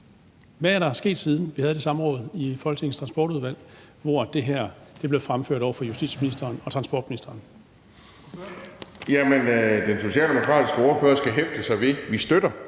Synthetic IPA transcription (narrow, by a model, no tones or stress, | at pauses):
ʋææɐɾɑæɐsɡ̥e̝̰ːd̥siːð̞ˠn̩ʋihæðˠd̥e̝sɑ̈mʁɔ̽ːð̞̩ˠifɒ̽lɡ̥əe̝ŋn̩st͡sʰʁɑ̈nsb̥ɒ̰ːɾ̥uð̞ˠʋæl̰ | ʋɒd̥e̝ɦæɐ̰d̥e̝b̥le̝ʊfʁamføɐ̰ɾ̥ɒʊ̰ɐfɒ̽jusd̥ḭd̥sminisd̥ɐːnɒ̽t͡sʰʁɑ̈nsb̥ɒ̰ːd̥minisd̥ɐːn | jæmənd̥enso̝ɕɛ̰ːld̥emokʰʁɑ̰̈ːd̥isɡ̥əɔːɐføːɐsɡ̥æɦefd̥əsɑ̈ɪʋe̝ʋisd̥øɾ̥ɐ